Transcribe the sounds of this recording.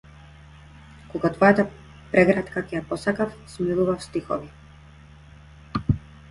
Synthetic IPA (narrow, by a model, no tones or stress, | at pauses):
kɔɡat̪vɔjat̪a | pɾɛɡɾat̪kakɛjapɔsakafsmilˠuvafst̪ixɔ̰vi